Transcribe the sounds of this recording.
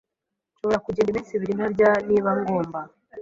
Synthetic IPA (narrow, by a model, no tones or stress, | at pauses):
ʃo̞βoɾakuɟendiβiːsiβiɾin̥habɟaniːβaŋɡo̞ːmba